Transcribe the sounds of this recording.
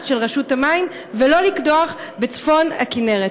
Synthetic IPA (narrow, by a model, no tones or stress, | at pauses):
tʃelʁeʃutamaim | velo̞likdoaχbet͡sfo̞na̰kineʁe